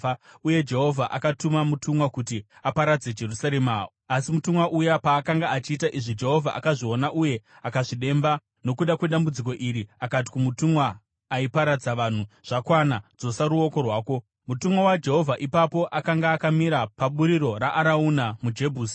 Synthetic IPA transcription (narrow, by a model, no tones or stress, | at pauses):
uje̞d͡ʒe̞ɦo̞vʱaʔakatumamutumwakutiapaɾad͡ze̞d͡ʒe̞rusaɾe̞ma | asimutumwaʔujapaːkaŋɡaat͡ʃiːtaʔiʐid͡ʒe̞ɦo̞vʱa̰ʔa̰kaʐio̞naʔuje̞ | akaʐiɗe̞mba | no̞kuɗakwe̞ɗambud͡zik̬o̞ʔiɾiakat̬i̥kumutumwaː | ipaɾad͡zaʋan̤uʐ̥akwanad͡zo̞saɾuo̞ko̞rwaːko̞ | mutumwawad͡ʒe̞ɦo̞vʱaʔipapo̞ʔakaŋɡaːkamiɾapaɓuɾiɾo̞ɾaʔaɾauːnamud͡ʒe̞bʱuːsi̥